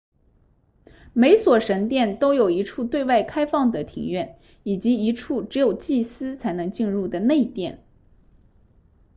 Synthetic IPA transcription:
me˧˥ɪswɔ˨˩ʂə˧˥nt̪jɛ˥˩nt̪o˥ʊjo˨˩ʊi˧˥ʈ͡ʂʰu˥˧t̪we˥˧ɪwa˥˩ɪkʰa˥ɪfɑ˥˩ŋd̪ə˩t̪ʰḭ˧˥ŋɥɛ˥˩n | i˨˩t͡ɕi˧˥i˧˥ʈ͡ʂʰu˥˩ʈ͡ʂɻ̩˧˥jo˨˩ʊt͡ɕi˥˩sɹ̩˥t͡sʰa˧˥ɪnɤ˧˥ŋt͡ɕi˥˧nɻu˥˩d̪ə˩ne˥˧ɪi˧˥˩t̪jɛ˥˩n

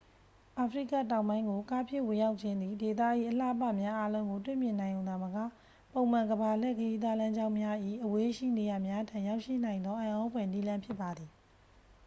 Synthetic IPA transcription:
ʔa˨pʰəɹḭ˦˨ka̰˦˨tã˨ʊ̃mbã˦ɪ̃ŋɡo˨ka˦pʰjɪ˦˨wɪ̃˨ja˦ʊʔt͡ɕʰɪ̃˦nd̪i˨de˨t̪̬a˦˨ʔḭ˦˨ʔəla̰˦˨pa̰˦˨mja˦ʔa˦lõ˦ʊ̃ŋɡo˨twḛ˦˨mjɪ̃˨nã˨ɪ̃jõ˨ʊ̃a˨məka̰˦˨ | põ˨ʊ̃m̥ã˨ŋɡəba˨l̥ɛ˦˨kəji˦d̪wa˦lã˦ɲd͡ʑã˦ʊ̃mja˦ʔḭ˦˨ʔəwe˦ʃḭ˦˨ne˨ja˨mja˦tʰã˨ja˦ʊʔʃḭ˦˨nã˨ɪ̃nd̪ɔ˦ʔã˨ʔɔ̃˦pʰwɛ˨ni˦lã˦mpʰjɪ˦pːa˨d̪i˨

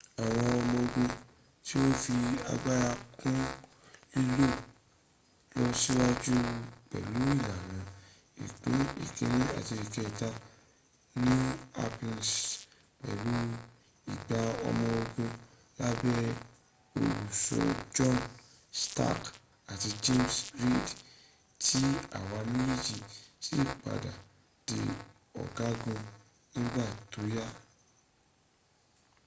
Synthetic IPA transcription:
a˨w̃ɔ̃˧ɔ˧mɔ̃˧o˧ɡõ˧ | ti˦o˦fi˧a̰˧ɡ͡ba˦ɾa˧kũ˦ | i˦lo˦˨ | lɔ˦si˦wa˦d͡ʒu˦k͡pɛ̰˨lu˨˦i˦˨la˨nã˨˦ | ḭ˨k͡pe˨˦ḭ˨ke˨˦ɾĩ˦a̰˨ti˧i˨kɛ˧˨ta˧ | nĩ˦a̰˧pĩ˧ns | k͡pɛ̰˨lu˦ | i˨ɡ͡ba˨ɔ̰˧mɔ̃˧o˧ɡũ˧ | la˦bɛ˦ | o˨u˨sɔ̰˧d͡ʒɔ̃˦n | sta̰˦˨k | a˨ti˧d͡ʒe˦msɾi˦˨d | tʰi˦a̰˨wa˧˦mi˦i˦d͡ʒi˧si˦˨k͡pa̰˨da˨ | d̥i˨ | ɔ̰˨ɡa˦ɡũ˧ | nĩ˦ɡ͡ba˦˨to˨˦ja˦

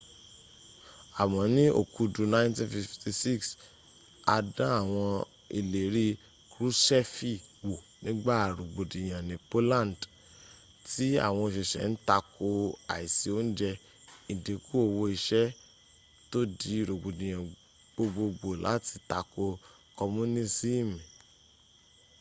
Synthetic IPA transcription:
a˨mɔ̃˨˦nĩ˦o̰˨ku˦du˧nã˦tĩ˦nfi˨fti˧si˦˨ks | a˧dã˦a˦˨w̃ɔ̃˧ | i˨le˨ɾi˦ | kɾu˦sɛ˦fi˦wo˨ | nĩ˦ɡ͡ba˦˨ɾo˨ɡ͡bo˨dĩ˨j̃ã˨nĩ˨po˦lã˦˨n˨d | ti˦a̰˦˨w̃ɔ̃˧i˨ʃe˨ʃɛ̰˨n̩˦ta˧ko˧a̰˨i˨si˨o˦n̩˦d͡ʒɛ˧ | i˨de˨ku˦o˦˨wo˧i˧ʃɛ˦ | to˦di˨˦˨ɾo˨ɡ͡bo˨dĩ˨j̃ã˨ | ɡ͡bo˧ɡ͡bo˧ɡ͡bo˨la̰˨˦ti˧ta˧ko˧ | kɔ˧mũ˦nĩ˦si˦˨mĩ˨

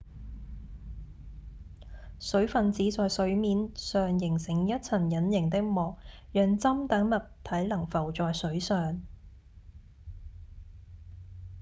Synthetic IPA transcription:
sɵ˨˥ɥfɐ˨nt͡siː˨˥t͡sɔː˨jsɵ˨˥ɥmiː˨˥nsœː˨ŋjɪ˨˩ŋsɪ˨˩ŋjɐ˥t̚t͡sʰɐ˨˩njɐ˨˥njɪ˨˩ŋt̪ɪ˥k̚mɔː˨k̚jœː˨˧ŋt͡sɐ˥mt̪ɐ˨˥ŋmɐ˨t̚t̪ʰɐ˨˥jlɐ˨˩ŋfɐ˨˩wt͡sɔː˨jsɵ˨˥ɥsœː˨ŋ

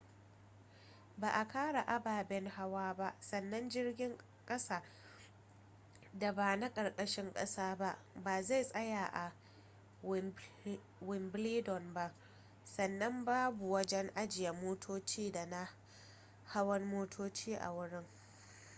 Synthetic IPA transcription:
baː˨ʔa˨kaː˦ɽa˨ʔa˦baː˨bɛ˦ŋha˦waː˦ba˦ʔsɐ˨nːɐ˦nd͡ʒɪ˦rɡʲɪ˦ŋ | kʼɐ˦saː˨ | da˨baː˨na˦kʼɐ˨rkʼɐ˦ʃɪ˦ŋkʼɐ̰˦saː˦ba˦ʔ | baː˨za˦˨jsʼɐ˦jaː˨ʔa˨ | wɪ˨mbliː˦dɔ˨nba˦ʔ | sɐ˨nːɐ˦mbaː˦bu˨wɐ˦d͡ʒɛ˦ŋʔa˦d͡ʒɪ˨jɐ˨moː˦tʰoː˦t͡ʃiː˦da˨na˦ | ha˦wɐ˦nmoː˦tʰoː˦t͡ʃiː˦ʔa̰˨wʊ˦ɽɪ˦ŋ

